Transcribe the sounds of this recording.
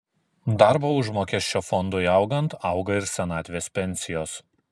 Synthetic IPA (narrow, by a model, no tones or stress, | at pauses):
d̪ɑˑɾboʊʒmoːkʲɛʃʲt͡ʃʲoːfɔnd̪ʊɪɑˑʊɡɐnt̪ɐˑʊɡɐɪɾsʲɛnɑːt̪ʲʋʲeːspʲɛnʲsʲɪjoːs